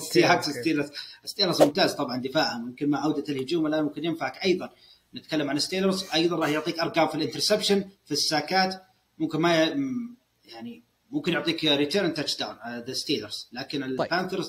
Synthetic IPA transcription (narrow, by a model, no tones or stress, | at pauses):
siʕaksɪst̪iːlɑsʔɪst̪iːlɑɾzmʊmt̪aːzt̪ˤɑbʕɑnd̪ɪfaːʕanmʊmkɪnmaʕawd̪at̪ɪlhʊd͡ʒuːmwɪlːamʊmkɪnjɪnfaʕakʔɑjðˤɑn | nɪt̪kalːamʕanɪst̪iːlɑɾzʔɑjðˤɑnˤɑːħjʊʕt̪ˤiːkʔɑɾˤɡaːmfilʔɪnt̪ɪɾsepʃanfisːaːkaːt̪ | mʊmkɪnma | jaʕni | mʊmkɪnjʊʕt̪ˤiːkɾɪt̪əːɾnt̪at͡ʃd̪awnðɪst̪iːlɑɾzlaːkɪnɪlpanθɪɾz